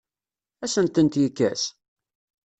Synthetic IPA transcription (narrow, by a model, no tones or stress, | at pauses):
æsənt̪ənt̪jikːæs